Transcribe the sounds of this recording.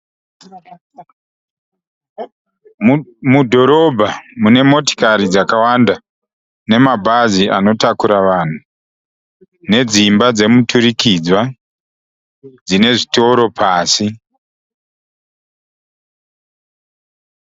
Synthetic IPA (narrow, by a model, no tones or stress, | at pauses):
mudʱo̞ɾo̞bʱamune̞mo̞ti̥kaɾid͡zakawanda | ne̞mabʱaziano̞takuɾaʋan̤u | ne̞d͡zimbad͡ze̞mutʰuɾikid͡zwa | d͡zine̞ʐito̞ɾo̞pʰaːsi